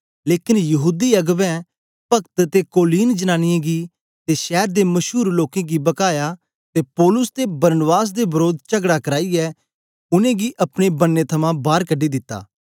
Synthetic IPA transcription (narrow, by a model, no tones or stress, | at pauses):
leːkɪnjɐɦuːd̪iɐɡbɛ̃ | pɐkt̪t̪ekoːliːnd͡ʒənaːñɪjẽɡi | t̪eʃɛːɾd̪emɐʃuːɾloːkẽɡibɐkaːja | t̪epɔːlʊst̪ebɐɾnbaːs̬d̪ebɐɾoːd̪t͡ʃɐɡɽakɐɾaːiɛ | ʊnẽɡiʔɐpɽ̃ebɐnːet̪ʰɐmãbaːɾkɐɖːid̪ɪt̪ːa̰ː